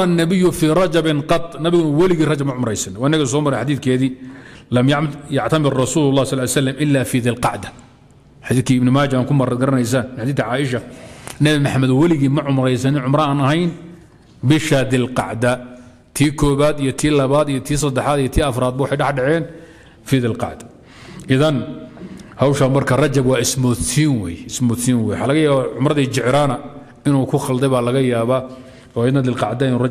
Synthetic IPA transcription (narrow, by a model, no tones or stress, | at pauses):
ɐnːɐβɪjːʊfiːrˤɑd͡ʒɐbɪnqɑt̪ˤnɐβɪɣʊnɐwɑlɪɣiːrɑd͡ʒɐbmɐʕʊmɾɛjsɐnɪwɑːɪnːɐɣɐs̬ɔːmɐɾɛjħad̪iːθkʰɛːðiːlɐmjjɑʕt̪ʰɐmɪɾrˤɑsuːlʊlːɑːhsɑlːaːljsɐlːɐmʔɪlːaːfiːðɪlqɑʕd̪ɐ̥ | ħad̪iːθkʰiːɪbnɪmaːd͡ʒaaːŋkʰʊmɐɾɐd̪ɡɐɾɐnɛjs̬aːnɪħad̪iːθʕaːʔɪʃɐnɐβɪmɐħamɐd̪wɐlɪɣiːmɐʕʊmɾɛjsɐnɪnʕʊmɾɐaːnɐɦɛjn | bɪʃɐd̪ɪlqɑ̰ʕd̪ɐ | t̪ʰiːkʰɔːβaːd̪ijɔt̪ʰiːlɐβaːd̪ijɔt̪ʰiːs̬ɐd̪ɛħaːd̪ijɔt̪ʰiːɐfɾaːd̪̚bɐwʊɑħɑjɖɑħɖɑʕɛːn | fiːd̪ɪlqɑ̰ʕd̪ɐ̥ | ʔɪðɐn | hawʃaːmɐrkʰɐrɐt͡ʃɐbwɑːɪsmɔsiːnwɛjɛɪsmɔːsiːnwɛːjħalɐɣɐjaːβaʕʊmrɐðiːt͡ʃɪʕɾaːnɐ | ɪnuːkʰʊχɐld̪ɛjβaːlɐɣɐjaːβaː | ɔːɪd̪nɐd̪ɪlqɑ̰ʕd̪ɐnur